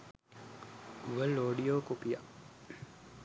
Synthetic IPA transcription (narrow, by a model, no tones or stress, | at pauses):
uʋəlːoːɖijoːkopija̰ʔ